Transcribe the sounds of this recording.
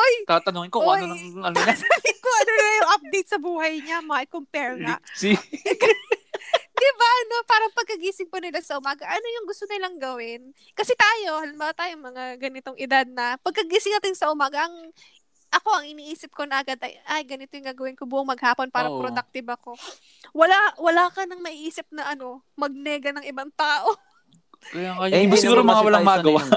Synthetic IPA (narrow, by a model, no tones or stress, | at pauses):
ʔojt̪at̪ɐnoŋɪnkoonɐŋɐnonat̪ːŋɪnkoʔɐnolɐjʊŋʔɐp̚d̪ejt̪sɐbuːhɐjɲamɐaʔɪkompɛɹŋɐ̰si | d̪ɪbaʔɐno̞paːɾɐŋpɐɡ̚kɐɡiːsɪŋpɐnɪlasɐʔʊmaːɡɐʔɐno̞jʊŋɡʊst̪onɪlɐŋɡɐwɪn | kɐsɛt̪aːjo̞hɐlɪmbat̪aːjoŋmɐŋaɡɐnɪt̪o̞ŋʔɪd̪ad̪̚nɐpɐɡ̚kɐɡiːsɪŋnɐt̪ɪnsɐʔʊmaːɡɐʔɐŋ | ʔɐko̞ʔɐŋɪniːʔiːsɪp̚ko̞nɐʔɐɡad̪ɐ̰jʔajɡɐnɪt̪ojʊŋɡaːɡɐwɪnkobuːʔɐŋmɐɡ̚haːpo̞npaːɾɐpɾod̪ɐk̚t̪ɪbɐko̞ | wɐlawɐlaːkɐnɐŋmɐʔiʔiːsɪp̚nɐʔɐno̞ | mɐɡ̚nɛɡɐnɐŋʔɪbaŋt̪aːʔo | kjabasɪɡuːɾomɐŋawɐlaŋmɐaɡɐwa